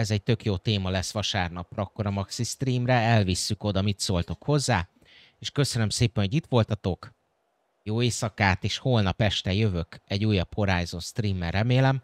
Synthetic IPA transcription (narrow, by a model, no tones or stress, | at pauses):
ɛzɛɟ̚t̪ø̞kjoːt̪eːmɒlɛsːʋɒʃaːrnɒprɒːkːo̞ɾɒmɒksist̪riːmrɛɛlvisːyko̞d̪ɒmit̪soːlt̪o̞kho̞zːaː | eːʃkø̞sønømseːpɛnhoit̪ʋo̞lt̪ɒt̪o̞k | joːeːsɒkaːt̪eːʃholnɒpɛʃt̪ɛjø̞vø̞kɛɟːuːjɒbho̞ɾaːjzo̞nst̪riːmːɛrɛmeːlɛm